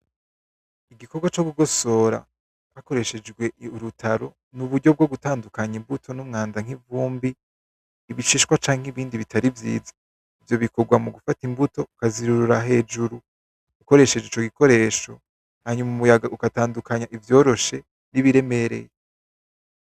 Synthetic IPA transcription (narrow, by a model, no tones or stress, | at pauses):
iɡiko̞ɡwat͡ʃoɡuɡo̞so̞ɾa̰ | hako̞ɾe̞ʃe̞d͡ʒɡwe̞ʔuɾutʰaɾo̞ | nuβuɟɟo̞b̚ɡo̞ɡutaːndukaɲimbutʰo̞numŋaːnzaŋ̥ivuːmbiː | βiʃiʃkwat͡ʃaːŋ̥hiβiːndiβitaɾivjḭːzḁ | ivjo̞βiko̞ɡwamuɡufatimbuto̞ukaziɾuɾuɾaɦe̞ːd͡ʒuɾu | uko̞ɾe̞ʃe̞d͡ʒeit͡ʃo̞ɡiko̞ɾe̞ːʃo̞ | haɲumumujaɡaʔukataːndukaɲaʔivjo̞ːɾo̞ʃe̞ | niβiɾe̞me̞ɾe̞̰je